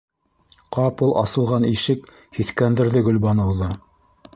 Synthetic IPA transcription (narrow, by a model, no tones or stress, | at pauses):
qɑpulˠʔɑ̰sɤ̆lˠʁɑniʃɘk | hiθkænd̪ɘ̆ɾðɘɡɵ̆lbɑnɤ̆wðɤ